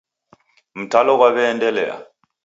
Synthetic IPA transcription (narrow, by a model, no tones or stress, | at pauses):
m̩tʰalɔk̬waβɛːndʼɛlɛ̰ːla̰